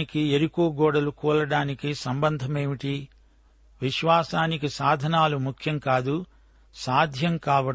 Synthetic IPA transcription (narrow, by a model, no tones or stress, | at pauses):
ikieɾikoːɡɔːɽɐlukɔːlɐɽaːnikisɐmbɐnd̪ʱɐmeːʋiʈi | ʋiʃʋaːsaːnikisaːd̪ʱɐnaːlumukʰjɐŋkaːd̪u | saːd̪ʱjɐŋkaːʋɐ